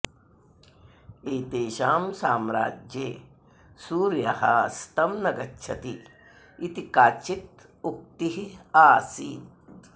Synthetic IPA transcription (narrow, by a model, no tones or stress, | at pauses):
eːt̪eːʃaːmsaːmɾa̰ːd͡ʒjeː | suːɾjɐhɐ̰st̪ɐmnɐɡɐtːʃʰɐt̪iː | t̪ikaːt͡ʃit̪̚ | uk̚t̪iɦiaːsiːn